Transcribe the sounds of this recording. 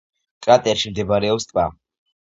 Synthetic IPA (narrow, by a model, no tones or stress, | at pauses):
kʼɾat̪ʼɛɾʃimd̪ɛbɾɛɔpst̪ʼva̰